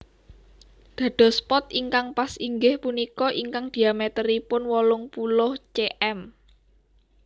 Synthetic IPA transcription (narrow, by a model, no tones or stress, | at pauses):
d̪̥ä̤d̪̥ɔ̤spɔt̪iŋkaŋpasiŋɡɪhpunikɔʔiŋkaŋd̪̥i̤amet̪əɾipʊnwɔlʊŋpulʊht͡ʃeʔɛm